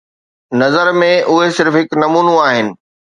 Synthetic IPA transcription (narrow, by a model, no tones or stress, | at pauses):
nɐzəɾmẽʔʊɦesɪɾfɦɪknɐmuːnũaːɦɪnɪ̆